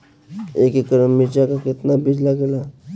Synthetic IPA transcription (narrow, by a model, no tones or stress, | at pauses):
ekekːəɾəmit͡ɕakaket̪nabʱid͡ʑlaɡla